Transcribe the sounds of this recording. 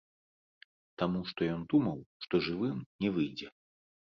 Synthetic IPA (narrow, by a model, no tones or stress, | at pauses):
t̪amuʂt̪ɔjɔnd̪umɐwʂt̪ɔʐɨvɨmnʲɛvɨjd͡zʲɛ